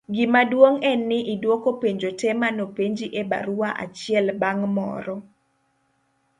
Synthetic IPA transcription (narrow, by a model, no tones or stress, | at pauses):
ɡɪmadwoŋɛnːɪʔidwokopeɲd͡ʒotɛmanopeɲd͡ʒiʔeba̰ɾuaʔa̰t͡ʃɪɛlbaŋmɔ̰ɾɔ